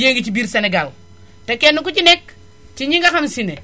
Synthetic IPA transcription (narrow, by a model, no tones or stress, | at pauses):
jeŋɡit͡ʃibiɾseneɡal | tekenːuk̬ut͡ʃinek | tiɲiŋɡaxamsine